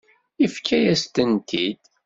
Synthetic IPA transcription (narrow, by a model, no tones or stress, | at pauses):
ifkʰːæjæst̪ənt̪ʰid̪̥